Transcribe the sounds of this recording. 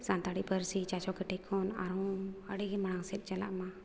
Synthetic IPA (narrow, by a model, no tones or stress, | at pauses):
sant̪aɽiʔpəɾsit͡ʃat͡ʃɔkɛʈɛkʰɔna̰ɾɔ̃əɽiɡɛmaɽaŋsɛt̪̚t͡ʃala̰ʔmã